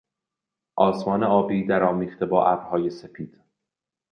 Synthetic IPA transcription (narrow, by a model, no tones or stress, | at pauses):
ʔɒːsmɒːne̞ɒːbiːd̪æɾɒːmiːχt̪e̞bɒːʔæbɾhɒːje̞sefʰiːd̪̥